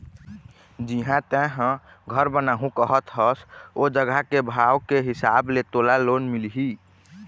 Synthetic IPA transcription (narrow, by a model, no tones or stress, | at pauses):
d͡ʒiɦãt̪ɛ̃ɦə̃ | ɡʱəɾbənaɦũkəɦət̪ɦəsod͡ʒəɡakebʱawkeɦisablet̪olalonmilɦi